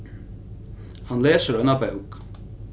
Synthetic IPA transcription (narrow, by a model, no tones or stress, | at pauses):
hɑnleːsəɾœnɑbæʊk